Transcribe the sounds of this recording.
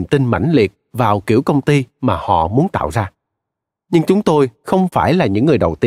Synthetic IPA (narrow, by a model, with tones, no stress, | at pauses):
mt̪i˧nma̰˧˥˩jŋ̟li˨˩ək̚vaː˨˩wkḭ˧˩əwkə˧wŋ͡mt̪i˧maː˨˩hɔ̰˧˨mu˨˦ənt̪a̰ː˧˨wzaː˧ | ɲɨ˧ŋt͡ɕʊ˨˦ŋ͡mt̪o˧jxə˧wŋ͡mfaː˧˩jlaː˨˩ɲɨ̰˧˥ŋːɨ˨˩əjɗə˨˩wt̪i˧